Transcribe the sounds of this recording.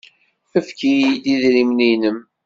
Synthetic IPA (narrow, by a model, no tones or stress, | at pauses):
əfkid̪iðɾimninəm